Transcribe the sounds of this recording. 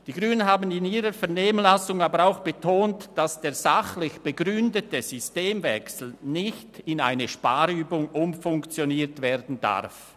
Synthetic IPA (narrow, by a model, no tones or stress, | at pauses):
d̥iːɡʁyːnənɦaːbənɪniːʁəfɛɐneːmənlasʊŋaːbəɾaʊxb̥ətʰoːntd̥asd̥eːɐz̥aχlɪçb̥əɡʁʏndətəz̥ysteːmvɛ̰ksl̩nɪçtɪna̰ɪnəʃpaːɾyːbʊŋʔʊmfʊŋkt͡sjoniːtveːɾdn̩da̰ʁf